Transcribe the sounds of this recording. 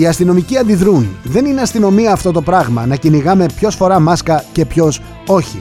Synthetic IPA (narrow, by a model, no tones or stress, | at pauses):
iɐst̪ino̞miciɐnd̪iðɾunðe̞nineɐst̪ino̞miɐːft̪o̞t̪o̞pɾɐɣmɐnɐciniɣɐme̞pço̞sfo̞ɾɐmɐskɐce̞pço̞s | o̞çḭ